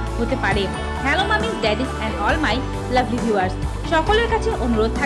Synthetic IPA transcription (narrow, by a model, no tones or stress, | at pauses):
ɦot̪epaɾe | kʰɛlomamiɖɛɖisɛ̃ɳɖɔlmaj | lɐbʱlibʱjuaɾs | ʃɔkoleɾkat͡ɕʰeʔonuɾod̪̚t̪ʰa